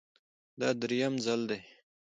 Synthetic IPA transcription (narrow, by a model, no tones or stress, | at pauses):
d̪ɑd̪ɾijamzald̪e